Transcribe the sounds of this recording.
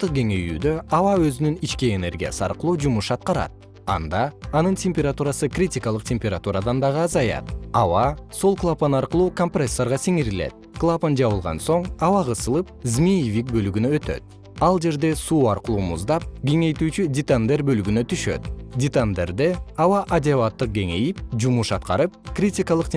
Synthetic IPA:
t̪ːɯq̚ɡe̞ŋe̞jy̰ːd̪ø̞ʔɑvɑøzynynit͡ʃkiene̞̰ɾɡʲija̰sɯɑ̰ɾqɯlˠuːd͡ʒumuʃɑt̪̚qɑɾɑ̰t̪̚ | ɑ̰nd̪ɑːnɯntʲemʲpʲeɾat̪uɾɑsɯkrʲitʲikɑlˠɯqtʲemʲpʲeɾat̪uɾad̪ɑnd̪ɑʁɯɑzɑjɑ̰t̪ɑvɑsolˠklˠaponɑɾqɯlˠuːkompresːoɾʁɑsiŋiɾilḛt̪̚klˠapond͡ʒɑβɯlˠʁɑ̰nso̞ɴɑwɑʁɯsɯlˠɯp̚zmʲijivʲik̚bø̞lyɡynøøt̪ø̞̰t̪̚ | ɑlˠd͡ʒe̞ɾd̪e̞suːɑɾqəlˠuːmuzd̪ɑp̚ɡʲe̞ŋe̞jt̪yːt͡ʃydʲɪt̪and̪erbølyɡynøt̪ʰyʃø̞̰t̪dʲɪt̪and̪e̞ɾd̪eɑwɑʔadʲɪavɑt̪ːɯq̚ɡʲe̞ŋe̞jipd͡ʒumuʃɑt̪qɑɾɯp̚krʲitʲikɑlˠɯqt̪ʲ

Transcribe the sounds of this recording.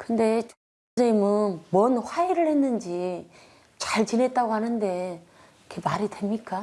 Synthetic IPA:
kɯnde̞t͡ɕ | d͡ʑʌimɯnmwʌnɸwaiɾɯɭhe̞nːɯnd͡ʑi | t͡ɕaɭt͡ɕinɦe̞t̚t͈aɡohanɯnde̞ | kʰe̞maɾidwe̞mɲik͈a

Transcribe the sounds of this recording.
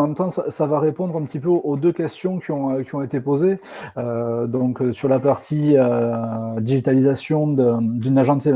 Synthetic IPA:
mɛmt̪ɑ̃sasavaʁepɔ̃d̪ʁɛ̃pət̪ipøoʔod̪økʲɛst̪jɔ̃kʲiɔ̃økʲiɔ̃et̪epoze | ød̪ɔ̃ksyʁlapaʁt̪ʰiø | d̪iʒit̪alizasjɔ̃d̪əd̪ynaʒɑ̃t̪jɛ

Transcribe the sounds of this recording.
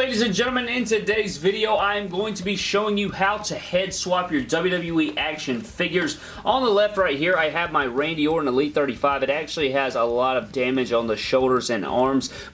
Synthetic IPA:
leɪɾizɨ̃nd͡ʒɛ̃ɾ̃l̩ˠmɨ̃nɪ̃ntɨdeɪzvɪɾioʊãɪɨ̃mɡoʊɪ̃ŋtʰɨbiʃoʊɪ̃ŋjɨhaʊɾɨhɛdswɑpjə˞dʌbl̩ˠjɨdʌbl̩ˠjuiʔækʃɨ̃nfɪɡjə˞z | ʔə̃nðəlɛft̚ɹaɪt̚hiɹaɪɨvmaɪɹẽɪ̃ndioʊɹɨ̃nəlit̪̚θɜ˞ɾifaɪvɨɾæk̚t͡ʃʉl̩ˠiɨzəlɔɾʌvdæ̃mɨd͡ʒn̩ðɨʃoʊlˠɾə˞zɨ̃nɑ̰ɹmz̥

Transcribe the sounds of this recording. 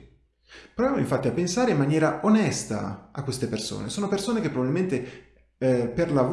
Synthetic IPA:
pɾovjamo̰iɱfat̪ːiapːensaːɾeimːanjɛːɾaonɛst̪a̰akːwest̪eperso̰ːnesoːnopersoːnekepːɾobabilment̪e | perlav

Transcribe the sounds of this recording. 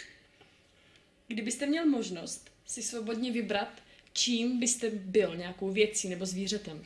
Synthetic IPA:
ɡdɪbɪst̪ɛmɲɛlmo̞ʒno̞st̪ | sɪsvo̞bo̞dɲɛvɪbɾat̪t͡ʃiːmbɪst̪ɛbɪlɲɛjako̞wvjɛt͡siːnɛbo̞zviːr̝ɛt̪ɛm

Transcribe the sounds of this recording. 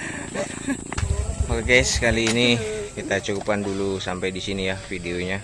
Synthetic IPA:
ɔrɡɛskaliːnikit̪at͡ʃukupandulusampajdisinijahfideoɲa

